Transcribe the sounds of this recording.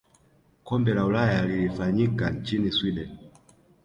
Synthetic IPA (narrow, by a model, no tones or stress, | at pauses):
kɔmbɛlaulajalilifaɲikat͡ʃiniswidɛn